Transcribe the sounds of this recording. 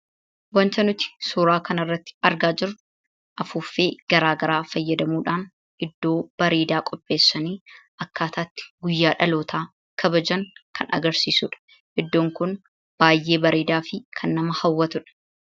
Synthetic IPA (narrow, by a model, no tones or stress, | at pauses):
wɐnt͡ʃɐnʊt̪ɪ̥suːɾaːkɐnɐrːɐt̪ːɪ̥ɐɾɡaːd͡ʒɪɾʊ | ʔɐfuːfeːɡ̥ɐɾaːɡɐɾaːfɐjːɐd̪ɐmuːᶑaːn | ʔɪd̪ːo̞ːb̥ɐɾeːd̪aːkʼɔpʼːe̞ːsːɐniːʔɐkːaːt̪ʰaːt̪ːɪ̥ɡʊjːaːᶑɐloːt̪ʰaː | kʰɐbɐd͡ʒɐŋkʰɐnɐ̰ɡɐɾsiːsʊᶑɐ̥ | ʔɪd̪ːoːŋkʊn | b̥aːjːe̞ːbɐɾeːd̪aːfɪkʰɐnːɐmɐhɐwːɐt̪ʊᶑɐ̥